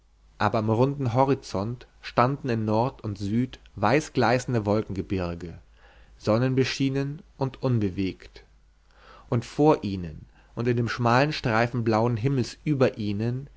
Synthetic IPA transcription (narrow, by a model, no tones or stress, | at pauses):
ʔaːbɐɪmʁʊndn̩ɦɔʁit͡sɔnt | ʃtandn̩ɪnnɔɐtʊntz̥yːtvaɪsɡ̥laɪsn̩dəvɔlkŋ̩ɡəbɪɐɡə | z̥ɔnənbəʃiːnənʔʊntʔʊnbəveːkt | ʔʊntfoːɐʔiːnən | ʔʊntɪndeːmʃmaːlənʃtʁ̥aɪfn̩blaʊənɦɪml̩sʔyːbɐʔiːnən